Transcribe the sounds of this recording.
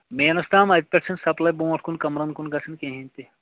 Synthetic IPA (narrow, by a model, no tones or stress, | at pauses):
meːnɐst̪aːmɐt̪̚peʈsʰɐnsɐplɐjbõːʈʰkunkɐmɾɐnkunɡɐsʰinkẽɦint̪i